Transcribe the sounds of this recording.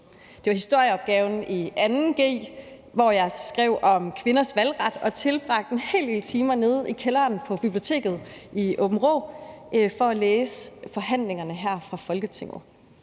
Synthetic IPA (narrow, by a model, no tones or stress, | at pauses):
d̥e̝ʋɑ̈hisd̥o̝ɐ̰jəɒ̽b̥ɡ̥ɛːʊn̩iænn̩ɡ̥e̝̰ːʋɒjɑ̈ɪsɡ̥ʁɛʊ̰ɒ̽mkʰʋe̝nɐsʋælʁɑ̈d̥ɒ̽t͡sʰe̝lb̥ʁɑ̈ɡ̥̚d̥e̝nhe̝̰ld̥e̝ːlt͡sʰiːmɐne̝ð̞ˠikʰelɐːnpʰɒ̽b̥ib̥lio̝t͡sʰe̝̰ːɡ̥ð̞̩ˠiʔob̥m̩ʁo̰ː | fɒ̽æleːsəfɒ̽ɦæn̰le̝ŋɐnəɦæɐ̰fʁɑ̈fɒ̽lɡ̥ət͡sʰeŋ̰ð̩ˠ